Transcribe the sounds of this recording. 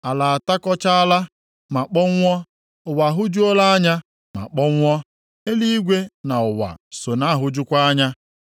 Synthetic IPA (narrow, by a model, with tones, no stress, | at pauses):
a˨la˨a˨ta˦kɔ˦t͡ʃa˦a˦la˦ | ma˨k͡pɔ˦ŋʷ˦ɔ˦ | ʊ˨wa˨ɦʊ˦d͡ʒʊ˦o˦la˦a˦ɲa˦ | ma̰˨k͡pɔ˦ŋʷ˦ɔ˦ | e˦li˦i˦ɡʷe˦na˨ʊ˨wa̰˨so˨na˦˨ɦʊ˦d͡ʒʊ˦kʷa˦a˦ɲa˦